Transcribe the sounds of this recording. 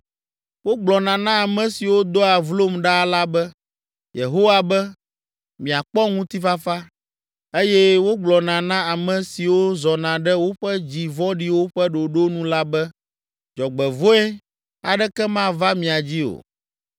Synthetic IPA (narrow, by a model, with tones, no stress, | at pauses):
wo˦ɡ͡blɔ˨nã˨nã˦a˨mɛ̃˨si˨wo˦d̪ɔ˦a˨vlo˦mɖa˦la˦bɛ˦ | je˨ɦo˦wa˨bɛ˦ | mĩ˨a˨k͡pɔ˦ŋũ˦t̪i˦fa˦fa˦ | e˦jɛ˦wo˦ɡ͡blɔ˨nã˨nã˦a˨mɛ̃˨si˨wo˦zɔ˨nã˨ɖɛ˦wo˦ɸɛ˦d͡ʑi˨vɔ˦ɖi˦wo˦ɸɛ˦ɖo˨ɖo˦nũ˦la˦bɛ˦ | d͡ʒɔ˨ɡ͡bɛ˨vo˦ɛ˦ | a˨ɖɛ˦kɛ˦mã˦va˦mĩ˨a˨d͡ʑi˦o̰˨